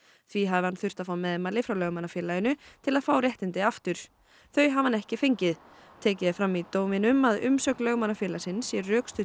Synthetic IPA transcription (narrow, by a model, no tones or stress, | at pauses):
θviɦaðɪhanθʏr̥t̪afaːwmɛðɛmaːlɪfɾawlœɣmanːafjɛlajʏnʏt̪ʰɪlaðfawɾjɛht̪ɪnt̪ɪaft̪ʏɾ̥ | θœɥjɦavhanɛhcɪfejɲcɪð | t̪ʰɛːcɪðɪfɾamːit̪owmɪnʏmaðʏ̰msœklœɣmanːafjɛːlasɪnsːjɛɾːœːkst̪ʏ